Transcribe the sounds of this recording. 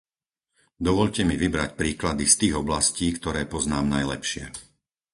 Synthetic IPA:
d̪ɔʋɔʎcɛmiʋibɾacpɾiːklad̪ist̪iːɣɔblasciːkt̪ɔɾɛːpɔznaːmnajlɛ̰pʃɪɛ̰

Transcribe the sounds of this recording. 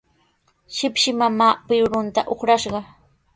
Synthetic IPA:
ʃɪpʃɪmamaːpɪɾʊnt̪aʔoχɾaʃɢɑ

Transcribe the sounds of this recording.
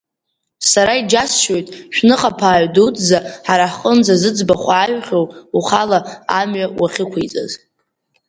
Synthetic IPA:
saɾaid͡ʒasʃo̞jtʼʃᶣnɨχʼapʰaːɥdutʼʰzaħaɾaħχʼənd͡zazɨd͡zbaχʷaːɥχʲowuχalaːmɥawaχʲɪkʷʰejt͡sʼa̰z

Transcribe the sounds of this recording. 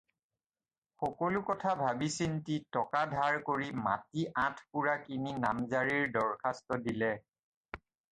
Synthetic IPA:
xɔkɔlʊkɔtʰabʱabisintitɔkadʱaɹkoɹima̰tiʔãtʰpuɹakininamzaɹiɹdɔɹkʰastɔdilɛ

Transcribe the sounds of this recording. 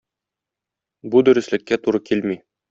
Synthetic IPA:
bud̪ɵ̆ɾɘ̆slɘ̆kːæt̪uɾɤkilmi

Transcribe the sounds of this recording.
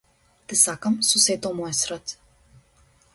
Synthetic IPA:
t̪ɛsakamsɔsɛt̪ɔmɔɛsɾət̪

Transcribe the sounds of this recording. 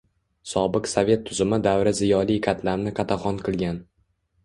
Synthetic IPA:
sɒbɨqsavʲe̞t̪ʰːʊzɪmɪd̪awɾɪzɪjɒlˠijkʲʰat̪ʰlaɾnɪqʰɑt̪ʰaχɒnqʰɨlˠɡʲan

